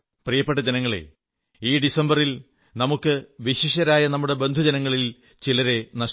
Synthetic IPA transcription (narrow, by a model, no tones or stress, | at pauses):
prijɐpːeʈːɐd͡ʑɐnɐŋːɐɭḛ | iːɖisɐmbɐril | nɐmukːɨʋiɕiʂɐɾaːjɐnɐmːuɽe̞be̞nd̪ʱud͡ʑɐnɐŋːɐɭil | t͡ɕilɐɾe̞nɐʂ